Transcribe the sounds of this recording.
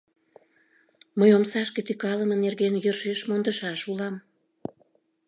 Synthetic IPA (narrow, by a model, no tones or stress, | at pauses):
məjomsɑʃket̪ykɑləmənerɣenjərʃeʃmond̪əʃɑʃulɑm